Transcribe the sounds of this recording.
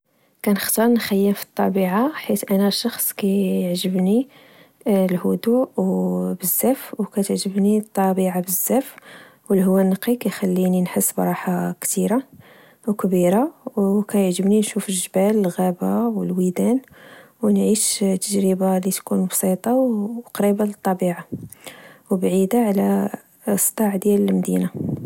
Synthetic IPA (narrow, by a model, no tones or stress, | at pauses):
kænəxt̪ɑɾˤnxæjːəmfi̥t̪ˤːɑbiʕaħit̪ʔænæʃɑxsˤkæjəʕʒəbni | lhʊd̪uwbəzːæfwkæt̪əʕʒəbnit̪ˤːɑbiʕabəzːæf | wəlɦwːænːəqikæjxælːininħəsːbɾˤɑħakt̪iɾa | wkbiɾawkæjəʕʒəbninʃufəlʒbæləlɣæbawəlwid̪æn | wnʕiʃt̪ːəʒɾəbalit̪kunbsit̪ˤɑqɾibalət̪ˤːɑbiʕa | wbʕid̪aʕlæ | st̪ˤɑʕd̪jæləlmd̪ḭna